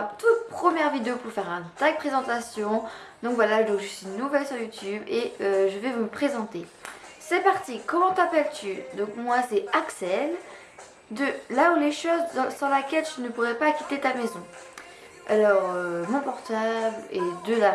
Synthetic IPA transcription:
t̪ut̪̚pχəmjɛʁvid̪eopuʁfɛʁɛ̃t̪aɡ̚pχezɑ̃t̪asjɔ̃ | d̪ɔ̃kvwalad̪wakʒəsinːuvɛlsyʁjut̪ybeøʒəvɛvuməpχezɑ̃t̪e | sɛpaʁt̪ikɔmɑ̃t̪apɛlt̪yd̪ɔ̃kmwasɛaksɛl | d̪əlauleʃozsɑ̃lakʲɛlʒənəpuʁɛpakʲi̥t̪et̪amezɔ̃ | a̰lɔʁømɔ̃pɔʁt̪ablɛd̪əla

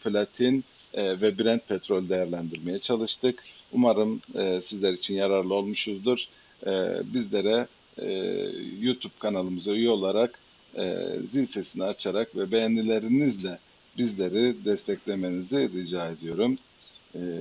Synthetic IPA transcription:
flʲat̪ʰin | vɛbiɾænt̪̚pʰɛt̪ɾo̞lʲd̪e̞jæɾlʲænd̪iɾmejɛt͡ʃʰalˠɯʃt̪ʰɯkumaɾɯmsizlʲæɾit͡ʃʰinjaɾaɾlˠɯo̞lˠmuʃuzd̪uɾ̥̰ | bizlʲeɾɛ̰ | jut̪ʰub̥̚kʰanalˠɯmɯzaujuo̞lˠaɾakː | zilʲsesiniat͡ʃʰaɾakvɛbejænlʲilʲe̞ɾinizlʲɛ | bizlʲe̞ɾid̪ɛst̪ʰɛclʲe̞me̞niziɾid͡ʒaːe̞d̪ijo̞ɾum

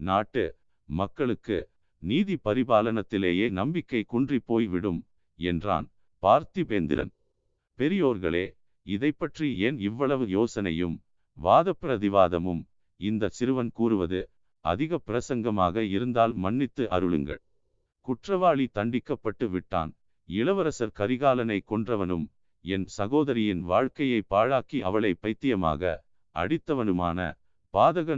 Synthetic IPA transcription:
naːʈːɯ | mɐkːɐɭɯkːɯ̰ | niːðipɐɾɪbaːlɐnɐt̪ːɪleːjeːnɐmbɪkːɐɪkʊɳdripːoːjʋɪɽɯm | ɛ̰ndra̰ːn | paːɾt̪ipeːnd̪ɪ̰ɾɐ̰n | pɛɾɪjoːɾɣɐ̰ɭeː | ɪðɐɪpːɐʈrienɪʋːɐɭɐʋɯjoːsɐnɐ̰jɯ̰m | ʋaːðɐpːɪɾɐðɪʋaːðɐmɯm | ɪnd̪ɐsɪɾɯʋɐnkuːɾɯʋɐðɯ | ʔɐ̰ðɪɣɐpɪɾɐsɐŋɡɐmaːɣɐɪɾɯnd̪aːlmɐnːɪt̪ːɯʔɐ̰ɾɯɭɯ̰ŋɡɐ̰ɭ | kʊʈrɐʋaːɭit̪ɐɳɖɪkːɐpːɐʈːɯʋɪʈːa̰ːn | ɪɭɐʋɐɾɐsɐɾkɐɾɪɣaːlɐnɐɪkːɔɳdrɐʋɐnɯ̰m | ɛnsɐɣoːðɐɾɪjɪnʋaːɻkɐjɐɪpːaːɻaːkiʔɐ̰ʋɐɭɐɪpːɐɪt̪ːɪjɐma̰ːɣɐ̰ | ʔɐ̰ɽɪt̪ːɐʋɐnɯma̰ːnɐ̰ | paːðɐɣɐ

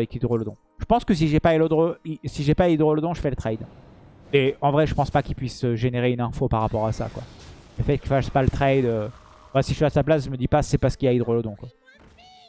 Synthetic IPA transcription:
ɛkid̪ʁold̪ɔ̃ | ʒ̥əpɑ̃skəs̬iʒɛpailɔd̪ʁoisiʒɛpaid̪ʁoləd̪ɔ̃ʒəfɛlət̪χɛjd̪ | mɛɑ̃vʁɛʒəpɑ̃spakʲilpɥisəʒeneʁeynɛ̃fopaʁːapɔʁasa̰kwa̰ | ləfɛt̪̚kʲilfaspalət̪χajd̪ø | vasiʒəfiasaplasʒəməd̪ipasɛpaʁsə̥kilaid̪ʁoləd̪ɔ̃kwa

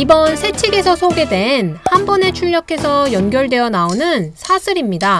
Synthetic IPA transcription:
ibʌnsʰe̞t͡ɕʰiɡe̞sʰʌsʰoɡe̞dwe̞nhambʌne̞t͡ɕʰuʎːʌkʰe̞sʰʌjʌnɡjʌɭdwe̞jʌnaonɯnsʰasʰɯɾimɲida

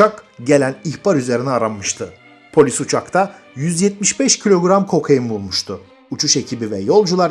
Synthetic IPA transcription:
t͡ʃakɟe̞lʲæniçbaɾyze̞ɾinɛaɾanːɯʃt̪ʰɯ | pʰo̞lʲisut͡ʃʰakt̪ʰajyzjɛt̪̚miʃbɛʃcʰilʲo̞ɡɾamkʰo̞kʰajɯmbulˠmuʃt̪ʰʊ | ut͡ʃʰuʃe̞cʰibivɛjo̞lˠd͡ʒulˠaɾ

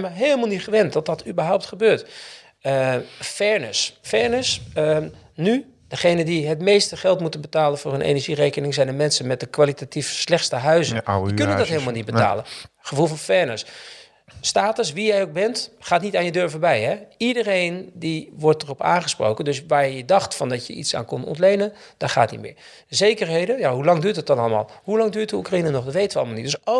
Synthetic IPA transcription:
maɦeːlˠmalˠnitχəʋɛntdɔt̚dɔtʰybəɹɦɔwp̚tχəbøːt | əfɛɹnəsfɛɹnəsə | ny | dəχejnədiɦətmejstəχɛlˠtmutənbətaːlənfoːrənʔḛnɛɹʒireːkənɪŋsɛjndəmɛnsənmɛt̚dəkʋalitatifslɛxtstəɦœɥzəəkønəndɔtheːlˠmalˠnit̚bəta̰ːlənχəfulˠfɔnfɛɹnəs | staːtəsʋijɛjok̚bɛntχaːtnitaːnjədøɹvəbɛjhɛidərejndiʋɔɹtdərɔpa̰ːnχəspro̰wkəndøsʋaːɹjjədɑxtfɔndɔtjəitsa̰ːnkɔntɔ̰ntlejnənd̥ɔxaːtnḭtmɪ̰ː | zejkərɦejdəjaɦulɑŋdyːɹtət̚ɔnɑləma̰ːlˠhulɑŋdyːɹtdəukrainənɔχdətʋejtəʋəɑlˠəmalˠnitd̥ɵso

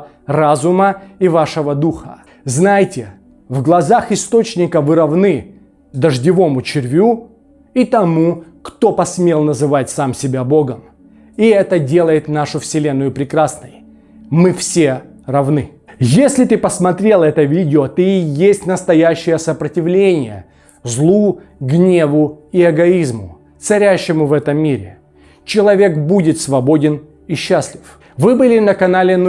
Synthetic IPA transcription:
razʊməivaʂəvəd̪uxə̰ | znajtʲɪ | vɡlˠɐzaxɪst̪o̞t͡ɕnʲɪkəvɨɾɐvnɨ | d̪əʐdʲɪvo̞mʊt͡ɕɪɾʲvʲu | it̪ɐmukt̪o̞pɐsmʲelˠnəzɨvatʲsamsʲɪbʲaboɡəm | iɛt̪ədʲelˠəjɪt̪naʂʊfsʲɪlʲe̞nːʊjʊpɾʲɪkɾasnə̰j | mɨfsʲe | rɐvnɨ | jesʲlʲɪt̪ɨpəsmɐt̪ɾʲelˠɛt̪əvʲidʲɪot̪oijesʲtʲnəst̪ɐjæɕːɪjəsəpɾətʲɪvlʲenʲɪjə̰ | zlˠu | ɡnʲe̞vʊiɛɡɐizmʊ | t̪sɐɾʲæɕːɪmʊvɛt̪əmʲːiɾʲɪ̰ | t͡ɕɪlˠɐvʲe̞kbudʲɪt̪svɐbo̞dʲɪn | iɕːasʲlʲɪf | vɨbɨlʲɪnəkɐnalʲɪn

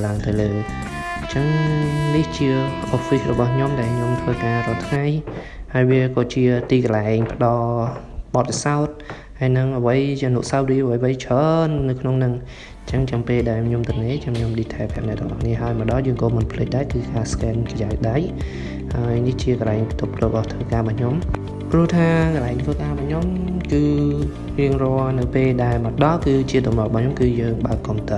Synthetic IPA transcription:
laəŋt̪ɨwləː | t͡ɕəŋniht͡ɕiəʔofirɔɓɑhɲomɗaɛlɲomt̪ʰʋəːkaːɾoəlt̪ʰŋaj | haəjʋiəkɑːt͡ɕiət̪iːkəlaɛŋpə̆ɗɑl | ɓɑt̪̚pʰisaɔt̪̚ | haəjnɨŋʔəʋəjt͡ɕːnuʔsaɔt̪̚riːəʋəjʋəjt͡ɕʰəːnːɨwkʰnoŋnɨŋ | ɲt͡ɕəŋt͡ɕɑŋpeːlɗaɛlɲomt̪ɨŋneːt͡ɕəŋɲomɗiːt̪ʰaːpʰɛ̰̆əm̚nɛt̪ə̰ŋʔɑ̰hniəɦaəjməɗɑhjəːŋkoːmɨnpʰlɨc̚ɗaɛkɨːkaːskɛːnkəjaək̚ɗaj | haəjniht͡ɕiəkəlaɛŋpt̪up̚loəɓɑht̪ʰʋəːkaːɓɑːɲom | prŭəht̪ʰaːkəlaɛŋt̪ʰʋəːkaːɓɑːhɲomkɨː | riəŋrɔənɨwpeːlɗaɛlməəɗɑhkɨːt͡ɕiət̪umrɑɓɑhɲomkɨːjəːŋɓaəkːomt̪ɨ

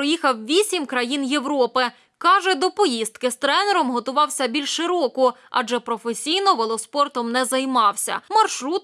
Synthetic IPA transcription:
ɾɔjixɐwʋʲisʲimkɾɐjinjewɾɔpɪ | kɑʒɛd̪ɔpɔjist̪̚kɪst̪ɾɛnɛɾɔmɦɔt̪ʊʋɑwsʲɐbʲilʲʃʃɪɾɔkʊɑ̰ʒɛpɾɔfesʲijnɔʋelˠɔspɔrt̪ɔmnɛzɐjmɑwsʲɐ̰mɐrʃɾut̪̚

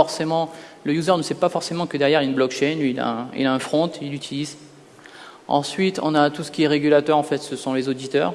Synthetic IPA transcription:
ɔʁsemɑ̃ləjuzœʁnəsɛpafɔʁsemɑ̃kəd̪ɛʁjɛʁilaynblɔkʃɛnliila̰ɛ̃ḭlaɛ̃fχɔ̃t̪ilyt̪ʰiliz | ɑ̰̃sɥit̪ɔ̰̃nat̪usə̥kʲiɛʁeɡʲylat̪œʁɑ̃fɛt̪səsɔ̃lezod̪it̪œːʁ

